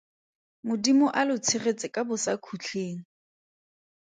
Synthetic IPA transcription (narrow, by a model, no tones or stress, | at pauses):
mʊdimʊʔalʊt͡sʰɪret͡sʼɪkʼabʊsakʰut͡ɬʰeːŋ̩